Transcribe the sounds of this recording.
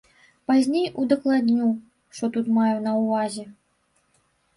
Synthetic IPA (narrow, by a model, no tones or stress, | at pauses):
pazʲnʲejud̪ɐklˠad̪ʲnʲu | ʂt̪ɔt̪ut̪majɛnɐwvazʲɛ